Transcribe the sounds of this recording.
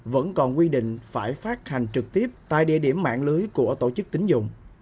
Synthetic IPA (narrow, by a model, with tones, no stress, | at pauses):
və̰˧˥nkɔ˨˩nkwi˧ɗḭ˧˨ŋ̟faː˧˩jfaː˦˥t̚ha˨˩jŋ̟t͡ɕɨ˨˩k̚t̪i˦˥əp̚t̪a̰ː˧jɗḭ˧əɗi˧˩əmːa̰ː˧˨nlɨː˨˦jku˧˩ət̪o˧˩t͡ɕɨ˦˥k̚t̪ï˨˦ŋ̟zʊ̰˧˨ŋ͡m